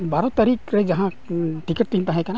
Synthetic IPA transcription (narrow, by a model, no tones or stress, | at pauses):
baːɾɔ̃t̪ɐɾikɾɛd͡ʒɐɦã | ʈikəʈ̚t̪iĩnt̪aɦɛ̃kana